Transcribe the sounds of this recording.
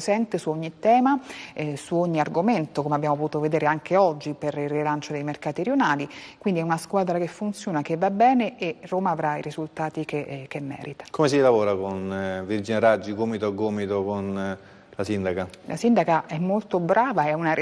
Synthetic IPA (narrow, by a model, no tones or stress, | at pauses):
sɛnt̪esuoɲːit̪ɛːmasuoɲːiarɡoment̪okomeabːjamopot̪ut̪oved̪eːɾeaŋkeɔd͡ʒːiperilrːilant͡ʃod̪ejmerkaːt̪iɾjonaːlikwind̪iɛunaskwaːd̪ɾakefːunt̪sjoːnakevːabɛːneʔeroːmaːvɾaiɾizult̪aːt̪ikek̟emːɛ̰ːɾit̪ḁkomes̬ilavoːɾakonvird͡ʒineɾad͡ʒːiɡoːmit̪oaɡoːmit̪okon | lasind̪akalʔa̰sind̪akaʔɛmːolt̪obɾʔaːvaɛuna